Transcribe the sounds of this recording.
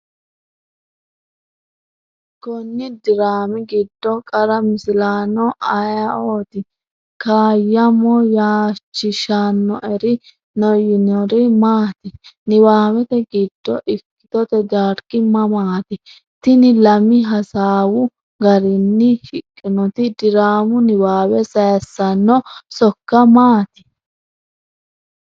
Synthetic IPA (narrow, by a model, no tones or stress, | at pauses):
kɔnːɪd̪ɪɾaːmɪɡɪd̪ːɔkʼɐɾɐmɪsɪlaːnɔʔɐjɐoːt̪ɪ | kaːjːɐmɔjaːt͡ʃːɪʃaːnːɔʔɛɾɪ | nɔjɪnɔɾɪmaːt̪ɪnɪwaːwɛt̪ɛɡɪd̪ːɔʔɪkːɪ̥t̪ɔt̪ɛd͡ʒaːɾkɪmːɐmaːt̪ɪ | t̪ɪnɪlɐmɪɦɐsaːwʊ | ɡɐɾɪnːɪhɪkʼːɪnɔt̪ɪd̪ɪɾaːmʊnɪwaːwɛsɐjɐsːɐnːɔsɔkːɐmaːt̪ɪ̥